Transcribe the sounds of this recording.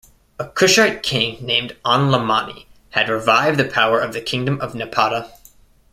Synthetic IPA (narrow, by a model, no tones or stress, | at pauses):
əkʰʊʃaɪt̚kʰɪ̃ŋnẽɪ̃mdɑ̃nləmɑnḭ | ɨd̚ɹɨvaɪvd̪̚ðɨpʰaʊə˞ʌvðɨkʰɪ̃ŋdɨ̃mʌvnɨpʰɑɾə